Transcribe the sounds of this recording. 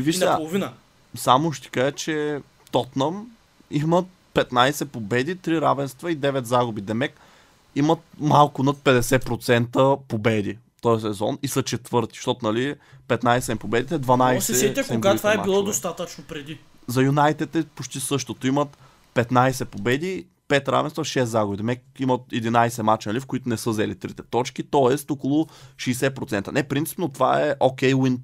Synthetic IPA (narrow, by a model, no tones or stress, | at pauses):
viʃnɐaplˠovinə | samʊʃt̪i̥kat͡ʃɛ | ft̪ɔt̪nɐm | imət̪̚ | pɛt̪najsɛpobɛd̪it̪ɾiɾavɛnst̪vɐid̪ɛvɛt̪zaɡʊbid̪ɛmɛk | imət̪̚malˠkʊnɐt̪̚pɛd̪ɛsɛpɾot̪sɛnt̪əpobɛd̪i | t̪ɔɛs̬ɛzɔ̰nisɐt͡ʃɛt̪vɤɾt̪i̥ʃt̪ɔt̪ʊnɐlipɛt̪najsɛsɛmpobɛd̪it̪ɛd̪vɐnajsɛɛt̪ɛkõɡat̪vaɛilˠɔd̪ost̪at̪ət͡ʃnopɾɛd̪i | zɐjunajt̪ɛt̪ɛpot͡ʃt̪isɤʃt̪ot̪oimɐt̪ | pɛt̪najsɛpobɛd̪i | pɛt̪ɾa̰vɛnst̪vɐʃɛszaɡʊd̪imɛkimət̪ɛd̪inajsɛmat͡ʃnɐlifkʊit̪ʊnɛsɤzɛlit̪ɾit̪ɛt̪ɔt͡ʃkit̪ɔɛst̪ɔkolˠʊʃiːsɛpɾot̪sɛnt̪ɐənɛpɾint̪si̥pnot̪ovaɛʔokɛjwin